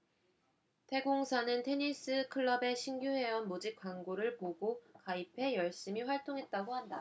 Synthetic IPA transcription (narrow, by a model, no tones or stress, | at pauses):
tʰe̞ɡoŋsʰanɯntʰe̞ɲis͈ɯkʰɯɭːʌbe̞ɕʰiŋɡjuɸe̞ʌnmod͡ʑip̚k͈waŋɡoɾɯɭpoɡokaipʰe̞jʌɭɕ͈imiɸwaɭt͈oŋɦe̞t̚t͈aɡohanda